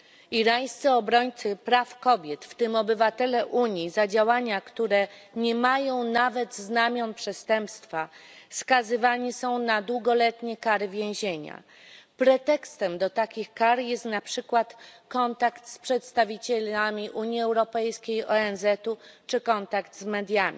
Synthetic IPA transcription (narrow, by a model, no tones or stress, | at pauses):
iɾaj̃st̪sɘɔbɾɔɲt̪sɘpɾafkɔbʲjɛt̪ft̪ɘmɔbɘvat̪ɛlɛʔuɲizad͡ʑawaɲakt̪uɾɛɲɛmajɔ̃w̃navɛd̪znamʲjɔnpʂɛst̪ɛmpst̪fafskazɘvaɲisɔ̃w̃nad̪wuɡɔlɛt̪ɲɛkaɾɘvʲjẽw̃ʑeɲa̰ | pɾɛt̪ɛkst̪ɛmd̪ɔt̪akʲixkaɾjɛst̪napʂɘkwat̪kɔnt̪akt̪spʂɛt̪st̪avʲit͡ɕɛlamʲiʔuɲjiɛwɾɔpɛjskʲejɔɛnzɛt̪ut͡ʂɘkɔnt̪akt̪zmɛd̪ʲjamʲi